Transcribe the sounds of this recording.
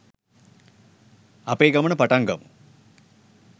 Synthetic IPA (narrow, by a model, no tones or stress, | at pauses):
ɐpeːɡɐmɐɳɐpɐʈɐŋɡɐm